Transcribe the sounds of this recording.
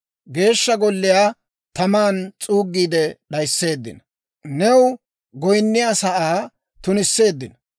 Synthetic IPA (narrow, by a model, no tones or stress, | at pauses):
ɡe̞ːʃːɐɡɔlːɪjaː | t̪ɐmaːnt͡sʼuːɡːiːd̪ɛɗɐjsːe̞ːd̪ːɪ̰n | nɛw | ɡɔjnːɪjasɐʔaː | t̪ʊnɪsːe̞ːd̪ːɪnɐ